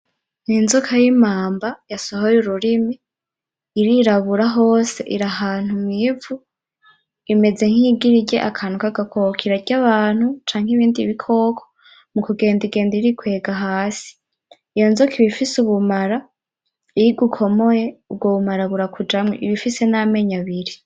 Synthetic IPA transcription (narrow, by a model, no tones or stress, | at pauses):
niːnzokʰajimaːmbajasohojuɾuɾimi | iɾiɾaβuɾaɦo̞ːse̞̰ʔiɾaɦaːn̥humivu | ime̞ze̞ŋ̥hiɡiɾiɟḛʔakʰan̥ukaɡakʰokʰiɾaɾɟaβaːn̥hut͡ʃaːŋhiβiːndiβikʰo̞ːkʰo̥ | mukuɡe̞ːndiɡe̞ːndiɾikwe̞ːɡaɦaːsi̥ | jonzokiβifisuβumaɾa | iɾiɡukʰo̞mo̞je̞ubɡoβumaɾaβuɾakʰud͡ʒamŋḛʔiβifise̞name̞ɲaβiɾi